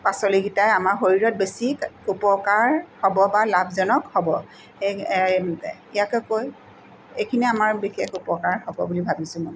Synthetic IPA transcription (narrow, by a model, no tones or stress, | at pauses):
pasɔliɡitajamaɹxoɹiɹɔt̚besikupɔkaɹhɔbɔbalabʱzɔnɔkhɔbɔ | e | ijakɔkoj | ejkʰiniamaɹbixekupɔkaɹhɔbɔbulibʱabisʊ̃mɔj